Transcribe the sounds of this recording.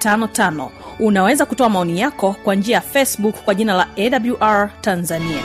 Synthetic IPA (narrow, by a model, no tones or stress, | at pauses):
tanɔtanɔ̰ | unawɛzakutɔamaɔnijakɔkwand͡ʒiajafɛsɓukkːwaʄinalaɛɗabluʔaɹtanzania̰